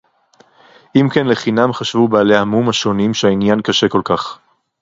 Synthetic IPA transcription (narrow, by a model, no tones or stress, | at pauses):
ʔimkenle̞χinamχaʃvubaːlehamumhaʃo̞nimʃehainjankaʃe̞ko̞lkaχ